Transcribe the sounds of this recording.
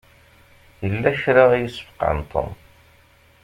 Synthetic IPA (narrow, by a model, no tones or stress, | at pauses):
jəlːæʃɾaʁjisə̥fqə̰nt̪ˤʰə̰n